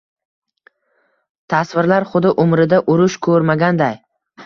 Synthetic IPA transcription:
t̪ʰasvɪɾlaɾχʊd̪ɪʔʊmɾɪd̪aʔʊɾʊʃkʰɵɾmaɡʲand̪aj

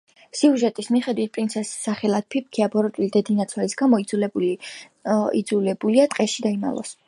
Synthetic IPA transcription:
siuʒɛt̪ʼismiχɛd̪wit̪̚ʰpʼɾintsʰɛsːaχɛlˠad̪̚pʰip̚ʰkʰiabɔɾɔt̪ʼulid̪ɛd̪inat̪sʰwɛlisɡamɔid̪zulɛ | ḭd̪zulɛbuliat̪ʼqʼɛʃid̪aima̰lˠɔ̰s

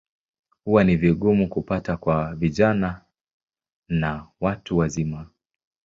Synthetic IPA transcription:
huwaniviɠumukupatakwaviʄana | nawatuwazima

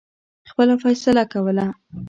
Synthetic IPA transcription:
xpəlafajsɪlakawəla

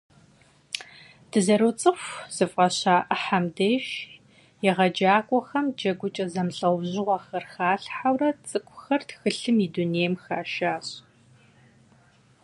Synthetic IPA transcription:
d̥ɨzɐɾot͡sʼɨxʷz̥ɨfqʼɐɕaːʔəħamdeːʃ | jɛʁɐd͡ʒaːkʷʼɔxɐmd͡ʒɐɡʷʊt͡ʃʼɐzɐmɬʼɐwʑɪʁʷɐxɐrxaːɬħawrɐt͡sʼɨkʷʰʼʊxɐrtxɨɬɨmiduneːjmxaːʃaːɕʼ

